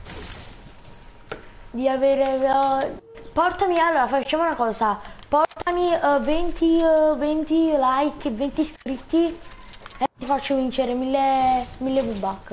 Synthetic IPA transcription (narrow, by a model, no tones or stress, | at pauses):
d̪iaveːɾe | pɔrt̪amialːoːɾafat͡ʃːaːmounakɔːsapɔrt̪amivɛnt̪ivɛnt̪ilajkːevːɛnt̪iskɾit̪ːi | et̪ifat͡ʃːovint͡ʃeɾemilːemilːebubːakː